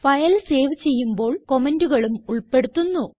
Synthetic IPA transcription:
fɐjɐlse̞ːʋt͡ɕe̞jːumbo̞ːɭko̞menduɣɐɭumuɭpe̞ɽut̪ːunːu

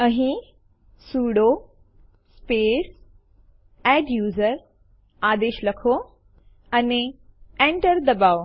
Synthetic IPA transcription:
əɦĩ | suːɽo | speːs | ɛɖjuːzəɾ | aːd̪eːʃləkʰo | aneẽɳʈəɾd̪ɐbaːo

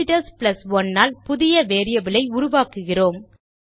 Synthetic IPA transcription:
ɪʈɐspɪlɐsʋɔnːaːlpʊðɪjɐʋeːɾɪjɐʋɪlɐɪʊɾʊʋaːkɯɣɪroːm

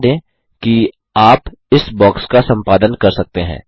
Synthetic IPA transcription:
d̪ẽː | ki | aːp | ɪsbɔːkskasɐ̃mpaːd̪ənkɐɾsɐk̚t̪eɦɛ̰̃ː

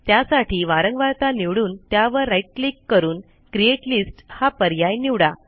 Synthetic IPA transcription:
t̪jasaʈʰiːʋaɾəŋɡʋaɾt̪aniʋɽuːnt̪jaʋəɾːajʈ̚klikːəɾuːn | kɾieʈlisʈhapəɾjajniʋɽa

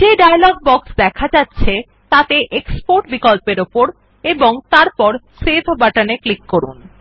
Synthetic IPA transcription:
d͡ʑeɖajlɔɡ̚bɔksd̪ɛkʰad͡ʑatːɕʰe | t̪at̪eʔekspoɾʈbikolpeɾopoɾ | eboŋt̪aɾpɔɾset̪ʰbaʈaneklikːoɾṵn

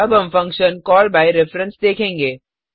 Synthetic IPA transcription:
ɐbɦɐ̃mfɐ̃ŋkʃənkɔːlbaːiɾɪfɾə̃nsd̪eːkʰẽːŋɡeː

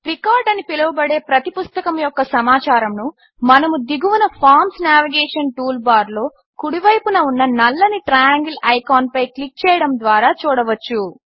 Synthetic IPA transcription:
ʈɾikaːɾɖɐnipilɐʋubɐɽe̞ːpɾɐt̪ipust̪ɐkɐmujɔkːɐsɐmaːt͡ʃaːɾɐmnu | mɐnɐmud̪iɡuʋunɐpʰaːɾmsnjaːʋiɡɛːʂɐnʈuːlbaːɾlo̞ː | kuɽiʋɐjpunɐunːɐnɐlːɐniʈɾɐjaːŋɡilɐjkaːnpɐjklik̚t͡ʃɛːjɐɽɐmd̪ʋaːɾaːt͡ʃuːɽɐʋɐt͡ʃːu

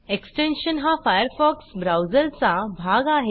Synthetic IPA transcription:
eksʈenɕənɦafajəɾfɔksbɾawzəlt͡sabʱaɡaɦe

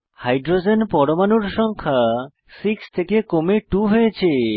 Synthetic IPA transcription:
hajɖɾod͡ʑenpɔɽomanuɾʃɔŋkʰa | sikst̪ʰekekomeʈuɦojet͡ɕʰe

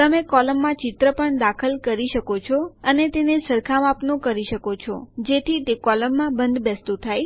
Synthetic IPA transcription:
t̪əmekɔləmːãt͡ʃɪt̪ɾəpəɳd̪akʰəlkəɾiʃəkot͡ʃʰɔənet̪enesəɾkʰamapnõkəɾiʃəkot͡ʃʰɔ̰d͡ʒet̪ʰit̪ekɔləmːãbənd̪bɛst̪ut̪ʰaj

